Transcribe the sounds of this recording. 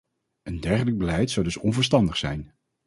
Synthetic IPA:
ʔəndɛɹχələɡ̚bəlɛjtsɑwdɵsɔnvəɹstɑndəχsɛjn

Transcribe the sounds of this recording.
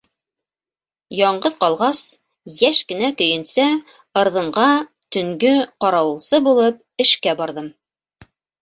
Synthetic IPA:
jɑɴɢɤðqɑlˠʁɑs | jæʃkɘ̆nækɵ̆jɘ̆nsæ | ɤ̆ɾðɤ̆ɴɢɑ | t̪ɵ̆ŋɡɵqɑɾɑwɤ̆lˠsɤbulˠɤp̚ɘ̆ʃkæbɑɾðɤm

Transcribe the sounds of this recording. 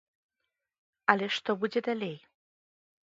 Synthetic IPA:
aleʂt̪ɔbud͡ʑed̪alej

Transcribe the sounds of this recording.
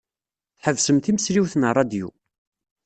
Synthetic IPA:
θħəvsəmθiməsɾiwθənərˤːɑd̪jṵ

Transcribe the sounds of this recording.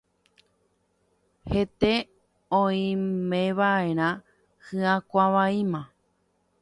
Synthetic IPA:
het̪e | õĩmẽʋae̞ɾ̃ã | hɨãkʷaʋaĩmã

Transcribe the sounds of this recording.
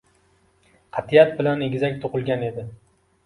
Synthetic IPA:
qʰɑt̪ʰijat̪̚bɪlaneɡʲzakʲt̪ʰʊqɨlˠɡʲane̞d̪ɪ

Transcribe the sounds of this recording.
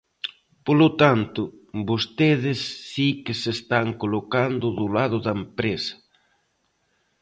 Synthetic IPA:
polʊt̪ant̪ʊ | bost̪eðɪsːikɪsest̪aŋkolokand̪ʊðʊlaðʊðɐempɾesɐ̥

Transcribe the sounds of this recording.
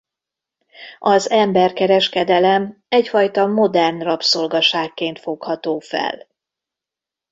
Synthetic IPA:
ɒzɛmbɛrkɛɾɛʃkɛd̪ɛlɛm | ɛcfɒjt̪ɒmo̞d̪ɛrnrɒpsolɡɒʃaːkːeːnt̪fo̞khɒt̪oːfɛ̰l

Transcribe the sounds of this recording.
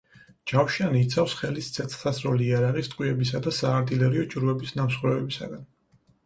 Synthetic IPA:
d͡ʒawʃianiːt̪sʰafsχɛlist̪sʰɛt̪sʰt̪asɾɔliaɾaʁist̪ʼqʼwiɛbisad̪asaːɾt̪ʼilɛɾiɔt͡ʃʼuɾvɛbisnamsχwɾɛɛbisa̰ɡan

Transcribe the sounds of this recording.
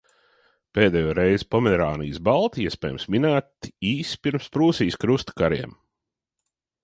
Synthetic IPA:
peːd̪ɛjoːɾejz̥pɔmɛɾaːnḭːsbalˠt̪iiɛspɛːjmsmʲinæːt̪iːspʲiɾmspɾuːsiːskɾust̪kaɾiɛm

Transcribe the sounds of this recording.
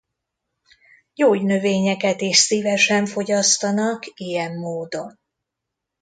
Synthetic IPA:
joːɟnø̞veːɲɛkɛt̪eːʃsivɛʃɛɱfo̞ɟɒst̪ɒnɒkijɛmːoːd̪o̞n

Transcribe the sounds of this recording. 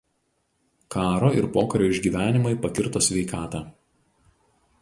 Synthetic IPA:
kɑːɾoːɪɾpoːkɐɾʲoːɪʒʲɡʲiːʋʲæːnʲɪmɐɪpɐkʲɪɾt̪oːsʲʋʲɛɪkɑːt̪ɑː

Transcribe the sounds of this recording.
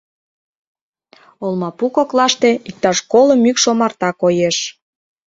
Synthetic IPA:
olˠmɑpukoklɑʃt̪eik̚t̪ɑʃkoləmykʃomɑrt̪ɑkojeʃ

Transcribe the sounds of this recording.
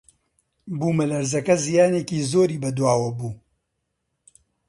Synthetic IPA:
buːmɐlɐɾzɐkɐzijaːneːkiːzoːɾiːbɐd̪waːwɐbuː

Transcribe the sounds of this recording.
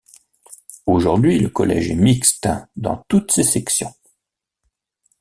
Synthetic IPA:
oʒuʁd̪ɥiləkɔlɛ̰ʒɛmikst̪d̪ɑ̰̃t̪ut̪sesɛksjɔ̃

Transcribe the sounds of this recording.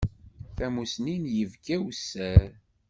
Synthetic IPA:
θæmusninjəvɡæwsːæɾ

